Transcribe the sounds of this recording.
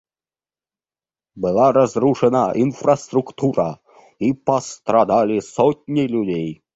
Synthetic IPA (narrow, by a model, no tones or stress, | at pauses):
bɨlˠaɾazɾuʂɛnɐʔinfrɐst̪ɾukt̪uɾɐ | ipɐst̪ɾad̪alʲisɔtʲnʲilʲudʲej